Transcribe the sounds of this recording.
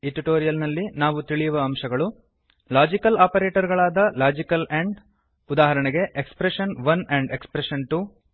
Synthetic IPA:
iʈiʈoːɾijɐlnɐlːinaːʋut̪iɭijuʋɐːmʃɐɡɐɭu | laːd͡ʒikɐlaːpɐɾeːʈɐɾɡɐɭaːd̪ɐlaːd͡ʒikɐleɳɖ | ud̪aːɦɐɾɐɳɛɡe̞ʔekspɾeʃɐnʋɐneɳɖekspɾeʃɐnʈu

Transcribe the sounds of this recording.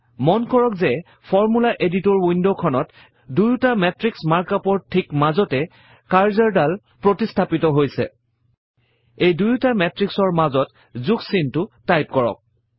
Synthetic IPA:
mɔnkɔɹɔkzɛ | pʰɔɹmulaʔeditɔɹwindokʰɔnɔt | dujtamɛtɹiksmaɹkapɔɹtʰːikmazɔtɛ | kaɹzaɹdal | pɹotistʰapitɔɦojsɛ̰ | ejdujutamɛtɹiksɔɹmazɔt | zuksintʊtajp̚kɔɹɔ̰k̚

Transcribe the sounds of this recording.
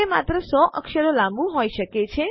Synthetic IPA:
ema̰t̪ɾəsɔʔʔəkʃəɾolãmbũɦoiʃəket͡ʃʰe

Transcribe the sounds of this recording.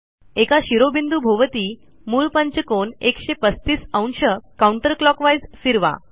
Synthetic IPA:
ekaɕiɾobind̪ubʱoʋət̪iː | muːɭpəɲt͡ɕəkonekɕepəst̪iːsəwɳɕəkauɳʈəɾklɔkʋajzfiɾʋa̰

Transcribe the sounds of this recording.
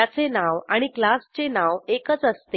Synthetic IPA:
at͡senaʋaɽ̃iklast͡senaʋekət͡səst̪e

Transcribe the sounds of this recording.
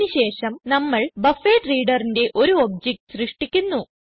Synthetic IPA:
nuɕe̞ːʂɐmnɐmːɐɭbɐfeːʈriːɖɐrinde̞ʔo̞ɾuob̚d͡ʑek̚ʈɨ̥srɨʂʈikʲːunːu

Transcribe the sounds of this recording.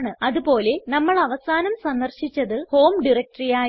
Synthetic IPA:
ɳɨɐðupo̞ːle̞nɐmːɐɭɐʋɐsaːnɐmsɐnd̪ɐrɕit͡ɕːɐðɨho̞ːmɖirɐk̚ʈɐrijaː

